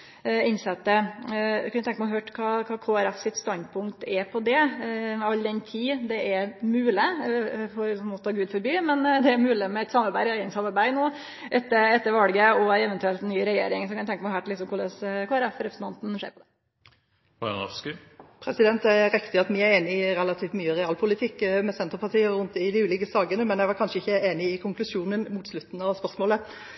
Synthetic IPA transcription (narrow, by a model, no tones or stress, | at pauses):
ɪnsɛt̪ːə | kʰɑnæt̪ʰɛŋkmɛɦhøːʈkʰɑːkʰɑːkʰoːæɾɛfsɪt̪st̪ɑnd̪̚pʰʊŋk̚t̪ɛpʰɔd̪ɛ | ɑld̪ɛnt̪ʰiːd̪ɛʔæɾmʉːlɪfʰɔɾmɔt̪ʰːɑːɡʉːd̪fɔɾbyːmɛnd̪ɛæɾmʉːlɪmɛɛt̪sɑmɑɾbæɪæɪənsɑmɑɾbæɪnoː | ʔɛt̪ːəɾɛt̪ːəɾʋɑlɡəɔɛʋənt̪ʉɛlt̪nyːɾɛjḛːɾɪŋsɔkɑnɛʊt̪ʰɛ̃ŋkəmæɪhæːʈɪlɪk̪sɔmkʊɭɛskʰɔɾɛfɾɛpɾəsn̩t̪ʰɑnt̪n̩ʂḛːɾpʰɔd̪ɛ | ɑ̰ɑ̰skɪ | pʰɾɛsɪd̪ɛnt̪æɾɛkt̪ɪɑt̪mɪæɾeːnɪɾɛlɑt̪ʰiːft̪myːəɾɛɑːlpʰʊlɪt̪ʰɪkːmɛsɛnt̪əpʰɑʈ̪iːəɾʉnt̪̚ɪd̪ɪʉːlɪkəsɑːɡənəmɛnjæɪʋɑɾkʰɑnʂəɪçːəeːnɪɪkʰʊŋklʉʂuːnənmuːt̪slʉt̪ːn̩ɑʋspœɾsmoːlə